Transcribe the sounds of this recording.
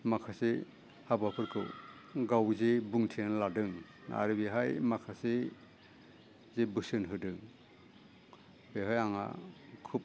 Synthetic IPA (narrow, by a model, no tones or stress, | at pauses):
makʰase | habapʰɯɾkʰɯ̰w | ɡawzebuŋtʰinladɯŋ | a̰ɾɯbiɦajmakʰase | zebɯsɯnɦɯdɯŋ | beɦɔjaŋa̰kʰup̚